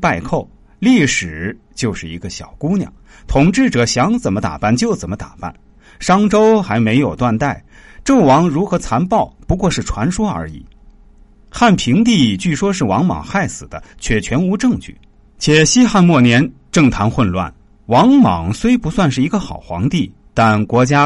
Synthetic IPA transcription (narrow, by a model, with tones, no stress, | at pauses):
pa˥˧ɪkʰo˥˩ʊ | li˥˩ʂɻ̩˨˩ | t͡ɕjo˥˧ʊʂɻ̩˥˩ḭ˧˥ɡə˧ɕjɑ˨˩ʊku˥njɑ̰˨˩˦ | t̪ʰʊ˨˩ŋʈ͡ʂɻ̩˥˩ʈ͡ʂɤ˨˩ɕjɑ˧˥ŋt͡sə˨˩mə˦t̪a̰˨˩pa˥˩nt͡ɕjo˥˩ʊt͡sə˨˩nmə˦t̪a̰˨˩pa̰˥˩n | ʂɑ˥ŋʈ͡ʂo˥ʊxa˧˥ɪme˧˥ɪjo˨˩ʊt̪wa˥˧nt̪a˥˩ɪʈ͡ʂɤ˥˩ŋwɑ˧˥ŋɻu˧˥xɤ˧˥t͡sʰa˧˥npɑ˥˩ʊpu˧˥kwɔ˥˧ʂɻ̩˥˩ʈ͡ʂʰwa˧˥nʂwɔ˥ə̰˞˧˥ḭ˨˩˦ | xa˥˩npʰi˧˥ŋt̪̬i˥˧t͡ɕy˥˩ʂwɔ˥ʂ̬ɻ̩˥˩wɑ˧˥ŋmɑ̰˨˩ŋxa˥˩ɪsɹ̩˨˩d̪ə˦t͡ɕʰɥɛ˥˩t͡ɕʰɥɛ˧˥nu˧˥ʈ͡ʂɤ˥˧ŋt͡ɕy̰˥˩ | t͡ɕʰjɛ˨˩ɕi˥xa˥˧nmwɔ˥˩njɛ˧˥nʈ͡ʂɤ˥˩ŋt̪ʰa˧˥nxwə˥˧nlwa̰˥˩n | wɑ˧˥ŋmɑ̰˨˩ŋswe˥ɪpu˧˥swa˥˧nʂɻ̩˥˩i˧˥ɡə˧xɑ˨˩ʊxwɑ̰˧˥ŋt̪i˥˩ | t̪a˥˧nkwɔ˧˥t͡ɕja˥